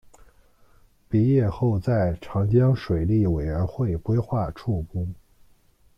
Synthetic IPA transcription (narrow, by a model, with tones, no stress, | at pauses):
pi˧˥jɛ˥˧xo˥˧ʊt͡sa˥˩ɪʈ͡ʂʰɑ˧˥ŋt͡ɕjɑ˥ŋʂwe˨˩ɪli˥˩we˨˩ɪɥə˧˥nxwe˥˩ɪkwe˥ɪxwa˥˧ʈ͡ʂʰu˥˩kʊ˥ŋ